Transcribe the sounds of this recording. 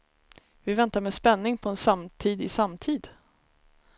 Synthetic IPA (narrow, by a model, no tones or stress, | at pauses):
vɪvɛnt̪aɾmɛspɛnːɪŋpʰɔɛnsamt̪ʰiːd̪ɪsamt̪ʰiːd̪